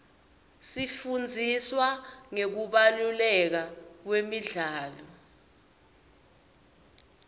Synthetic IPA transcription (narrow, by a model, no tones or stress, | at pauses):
sifund͡zʱiswaŋek̬uɓalulɛk̬ak̬wemiɮaːlɔ